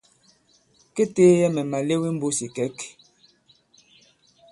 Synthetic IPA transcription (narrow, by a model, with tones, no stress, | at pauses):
ke˦teː˦jɛ˦mɛ˨ma˨le˦wi˦m̩˦bo˦si˨kɛ˨˦k